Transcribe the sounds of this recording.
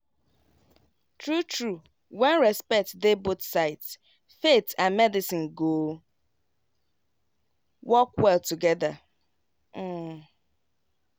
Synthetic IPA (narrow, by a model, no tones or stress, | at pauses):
tʰɹutʰɹu | wɛ̃nɹɛspɛk̚td̪ebʊtsaɪts | fetʰãnmɛdɪsĩnɡo | wɔkwɛltʰuɡɛða